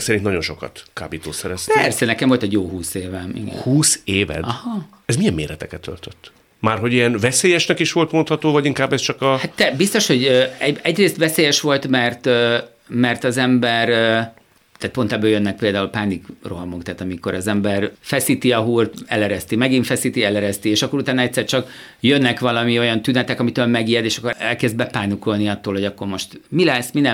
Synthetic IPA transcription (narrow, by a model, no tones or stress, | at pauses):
ksɛɾinnɒɟo̞nʃo̞kɒ̰t̪ka̰ːbiːt̪o̰ːsɛɾɛspɛrsɛnɛkɛɱvo̞lt̪ɛɟjoːɦuːseːvɛmḭɡɛ̰huːseːvɛ̰dɒhɒ | ɛzmijɛmːḛːɾɛt̪ɛkɛt̪ʰːø̰lt̪øt̪ː | maːrɦoɟijɛnvɛseːjɛʃnɛkiʃʋo̞lt̪mont̪hɒt̪oːvɒɟiŋkaːbːɛst͡ʃɒkɒhat̪ːɛbist̪o̞ʃho̞ɟøɛɛɟreːst̪ʋɛseːjɛʃʋo̞lt̪mɛrt̪ø | mɛrt̪ɒzɛmbɛr | t̪aːt̪po̞nt̪ɛbːøːjønːɛk̚peːld̪aːulpaːnikroɦɒmokt̪aːt̪ɒmiko̞ɾɒzɛmbɛrfɛsit̪iɒɦuːrt̪ɛ̰lɛɾɛst̪imɛɡiɱfɛsit̪iɛlɛɾɛst̪ieːʃɒkːo̞ɾut̪aːnɒɛc̚tʲsːɛrt͡ʃɒk | jønːɛkʋɒlɒmio̞jɒnt̪ynɛt̪ɛkɒmit̪øːlmɛɡijɛd̪eːʃɒkːoɛ̰lkɛzd̪̚bɛpaːnukolniɒt̪ːoːlho̞ɟɒkːo̞rmo̞ʃt̪milɛsːminɛ